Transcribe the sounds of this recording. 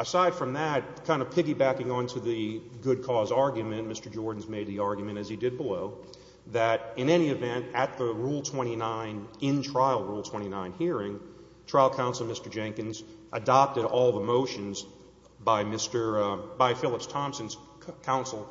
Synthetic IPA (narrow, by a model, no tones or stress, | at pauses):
əsaɪd̥fɹʌ̃mðɨt̚kʰãɪ̃ndʌpʰɪɡibækɪ̃ŋə̃ntʰɨðɨɡʊd̚kʰɔzɑɹɡjmɨ̃nmɪstə˞d͡ʒɔɹdⁿn̩zmeɪd̪̚ðiɑɹɡjmɨ̃ɾ̃ɨz̥idɨd̚bəloʊ | ðɨɾɨ̃nɛɾ̃iɨvɛ̃ntɨt̪̚ðəɹulˠtʰw̥ɛ̃ɾ̃inãɪ̃nɪ̃ntʰɹ̥aɪl̩ˠɹulˠtʰw̥ɛ̃ɾ̃inãɪ̃nhiɹɪ̃ŋ | tʰɹ̥aɪlˠkʰãʊ̃nsl̩ˠmɪstə˞d͡ʒæ̃ŋkɨ̃nzʔədɑp̚tɨɾɔlˠðəmoʊʃɨ̃nz | baɪmɪstə˞baɪfɪlˠəpstʰɑ̃msɨ̃nz̥ | kʰãʊ̃nsl̩ˠ